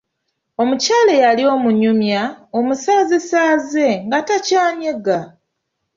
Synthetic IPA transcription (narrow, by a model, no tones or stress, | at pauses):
o̞mucaːlejalio̞muɲumjao̞musaːzisaːze̞ŋɡatacaːɲeɡa